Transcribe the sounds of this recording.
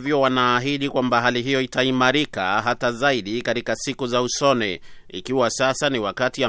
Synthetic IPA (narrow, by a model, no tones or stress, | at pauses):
vjɔwanaːɦiɗikwambaɦaliɦijɔitaimaɾika̰ɦatazaiɗikaɾikasikuzausɔnɛ | ḭkiwasasaniwakatia